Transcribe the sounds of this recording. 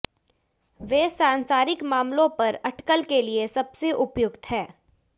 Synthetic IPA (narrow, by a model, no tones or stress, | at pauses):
ʋeːsãːnsaːɾɪkmaːmlõpɐɾɐʈkəlkeliesɐbseʔʊpjʊkt̪ɦɛː